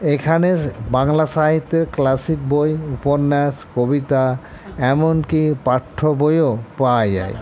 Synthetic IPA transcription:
ekʰanebaŋlaʃaɦit̪ːeɾklasik̚bojupoɾnːɛʃkobit̪a | ɛmonkipaʈʰːobojopad͡ʑa̰j

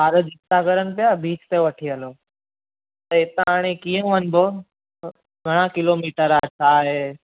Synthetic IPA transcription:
ɦaːɾəd͡ʒɪst̪akəɾən̆pijabiːt͡ʃt̪eʋɐʈʰiəloː | t̪ɐɪt̪aaːɽ̃ekiə̃ũənbʱo | ɡʱɐɽ̃akɪlomiːʈəɾat͡ʃʰaːɦeː

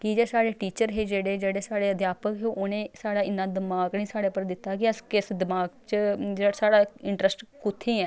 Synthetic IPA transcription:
kid͡ʒeːsaːɽeːʈiːt͡ʃəɾɦeːd͡ʒeːɽeːd͡ʒeːɽeːsaːɽeːəd̪jaːpəkɦeʔoːnẽːsaːɽaːɪnːaːd̪ɪmaːɡniːsaːɽeːpəɾd̪ɪt̪ːaːkɪəskɪsd̪ɪmaːɡt͡ʃəd͡ʒesaːɽaːɪɳʈɾəsʈkʊt̪ʰːẽːɛ̃ː

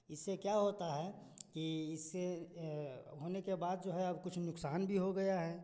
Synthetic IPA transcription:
ɪsːekjaɦoːt̪aɦɛː | kiɪsːe | ɦoːnekebaːd̪̚d͡ʒoːɦɛɐbkʊt͡ʃʰnʊksaːnbʱiɦoɡɐjaɦɛː

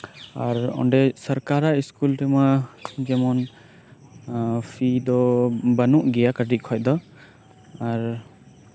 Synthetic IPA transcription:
aɾɔ̰nɖɛsɔɾkaɾaiskulʈɛmad͡ʒɛmɔn | pʰid̪ɔbanuʔɡɛjakaɖiʔkʰɔj̚d̪ɔ | aɾ

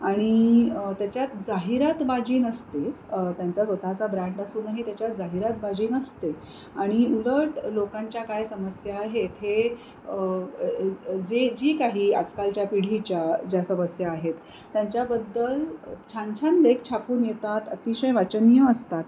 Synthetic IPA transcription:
aɽ̃it̪jat͡ɕjat̪d͡zaɦiɾat̪bad͡ʑiːnəst̪e | t̪jãnt͡sasʋət̪at͡sabɾãɳɖasuːnaɦit̪jat͡ɕjat̪d͡zaɦiɾat̪̚bad͡ʑiːnəst̪e | aɽ̃iuləʈlokãɲt͡ɕjakajsəməsjaːɦet̪ɦe | d͡zed͡ʑiːkaɦiːa̰d͡zkalt͡ɕjapiɽ̤it͡ɕjad͡ʑjasəməsjaːɦet̪ː | jaɲt͡ɕjabəd̪ːəlt͡ɕʰãɲt͡ɕʰand̪ekt͡ɕʰapuːnjet̪at̪ə̰t̪iɕəjʋat͡ɕənjəːst̪at̪

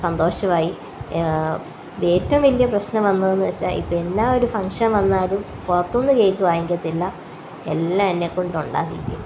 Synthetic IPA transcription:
sɐnd̪o̞ːʂɐmaːji | eːtːɐʋɐmʋɐlːijɐprɐɕnɐmʋɐnːɐðenːɨʋet͡ɕːa̰ːʔḭpːoe̞nːaːo̞ɾufɐŋʂɐnʋɐnːaːlum | purɐt̪ːoːnːɨɾeːjkʲːuʋaːjeŋɡɐt̪ːilːɐ | ḛlːaɐnːekoɳɖuɳɖa̰ːt̪ḭɾikʲːṵm

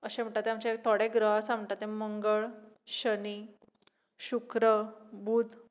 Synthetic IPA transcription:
əɕẽm̤ɳʈ̪at̪eamt͡ɕek̚t̪ʰoɽeɡɾəɦsãmʈat̪ːeməŋɡəɭ | ɕəni | ɕukɾəbʱuːd̪

